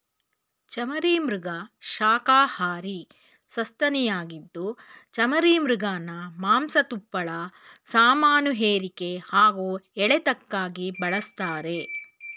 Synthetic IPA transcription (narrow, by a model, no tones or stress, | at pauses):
t͡ʃɐmɐɾiːmɾuɡɐʃaːkaːhaːɾi | sɐst̪ɐnijaːɡid̪ːut͡ʃɐmɐɾiːmɾuɡaːnɐmaːmsɐt̪upːɐɭɐ | saːmaːnuɦeːɾike̞haːɡoːɛɭet̪ɐkːaːɡibɐɭɐst̪aːɾe̞